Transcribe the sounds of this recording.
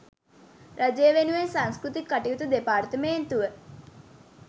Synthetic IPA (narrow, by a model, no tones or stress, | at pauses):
rʔad͡ʒejəʋenuʋensaŋskɾut̪ikːaʈiut̪ud̪epaːrt̪əmeːnt̪uʋə